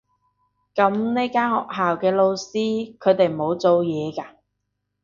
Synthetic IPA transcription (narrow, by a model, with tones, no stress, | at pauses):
kɐ˨˥mneː˥kaː˥nhɔ̰ː˨k̚ɦaː˨wkɛː˧lo˧wsiː˥kʰɵ˨˧ɥt̪e˨jmo˨˧wt͡so˨˧wjɛː˨˧kaː˧